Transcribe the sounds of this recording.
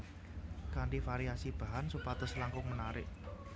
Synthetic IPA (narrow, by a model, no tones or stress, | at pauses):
kaɳʈifaɾiasib̥a̤ɦansupat̪əslaŋkʊŋmənaɾɪ̰ʔ